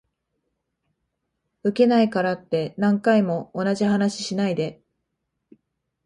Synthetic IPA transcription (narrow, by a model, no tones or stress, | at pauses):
ɯ̟ke̞naikaɾat̪ːe̞nãŋkaimo̞ːnaʑiɦanaɕi̥ɕinaid̪e̞